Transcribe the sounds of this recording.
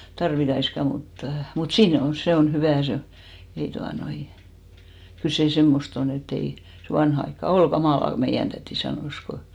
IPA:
tɑrʋitɑiskɑ mutːɑ̥ mut siːn o se on hyʋæˑ se o ei tuɑnoin kyl seˑ semːost on et ei se ʋɑnhɑ ɑikːɑ ol ɡ̊ɑmɑˑlɑ ko meijæn tætiˑ sɑnoˑs ko

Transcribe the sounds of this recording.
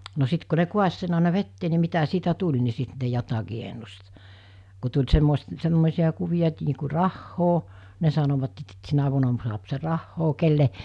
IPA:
no sit ku ne kuɑs sen ɑˑenɑ ʋetːeː ni mitæ siːtæ tulʲ ni sit ne jotɑkiː enːust ku tulʲ semːois semːoˑesiɑ kuʋij̆ɑ et niː ku rɑhːoː ne sɑnoʋɑt et sit sinæ ʋuonɑ suɑp se rɑhːoː kelːe

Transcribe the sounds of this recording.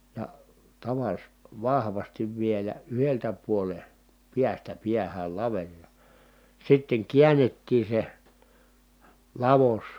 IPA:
jɑ tɑʋɑs ʋɑhʋɑstiʋ ʋielæ yheltæ puole piæstæ piæhæl lɑʋerʲ jɑ sitːeŋ kiænːetːiː se lɑʋos

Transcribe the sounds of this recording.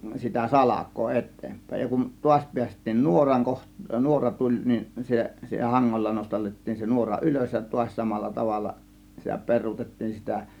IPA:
sitæ sɑlɑkˑoː etˑeːmpæˑe̝j jɑ kun tuɑsʲ piæstˑiːn nuorɑŋ koh nuorɑ tulʲ nin se hɑŋːolːɑ nostɑlːetːiːn se nuorɑ ʔyløs jɑ tuɑsʲ sɑmɑlːɑ tɑʋɑlːɑ sitæ perˑuːtetːiːn sitæ

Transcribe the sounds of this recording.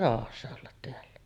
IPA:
rɑˑohɑsːɑ olːɑt teælːæ

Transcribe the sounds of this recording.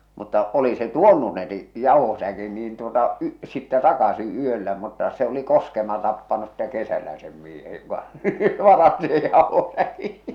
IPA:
mutːɑ oli se tuonːu ne ni jɑˑuhosækin niːn tuotɑ y sitːɛ tɑkɑsi yølːæ mutːɑ se oli koskemɑ tɑpːɑnus sĭtˑe kesælæ sem miehe jokɑ ʋɑrɑsti sej jɑˑohosæki

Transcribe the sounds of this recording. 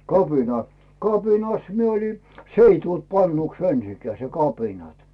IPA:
kɑpinɑ kɑpinɑs mie oli s ei tult pɑnːuks ensikæː se kɑpinɑt

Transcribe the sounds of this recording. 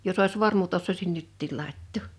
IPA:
jos oˑis ʋormut osːoisin nytːiˑl lɑˑitːoˑ

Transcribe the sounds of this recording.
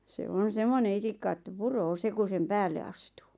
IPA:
se on̞ semːone itikːɑ ĕtːæ puroː se ku sem pæːlːe ɑstuː

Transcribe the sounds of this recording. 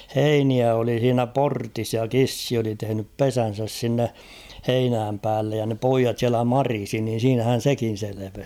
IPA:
heiniæ oli h̞iːnæ portis jɑ kisːi oli tehĕnyp pesæn̞sæs sinːe heinæːm pæːlːej jɑ ne poijɑt siælæ mɑrisi niːn̞ siːnæhæn̞ sekin̞ seleʋes

